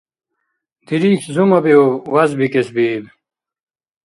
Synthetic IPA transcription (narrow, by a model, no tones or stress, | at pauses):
d̪̥iɾiːhzumɐbiowɐzbikesbiːb